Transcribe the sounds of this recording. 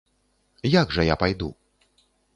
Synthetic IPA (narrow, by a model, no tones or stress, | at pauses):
jaɡʐɐjapajd̪ṵ